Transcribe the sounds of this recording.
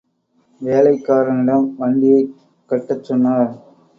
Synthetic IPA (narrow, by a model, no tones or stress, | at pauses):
ʋeːlɐɪkːaːɾɐnɪɽɐmʋɐɳɖɪjɐɪ | kːɐʈːɐt͡ʃːɔnːaːɾ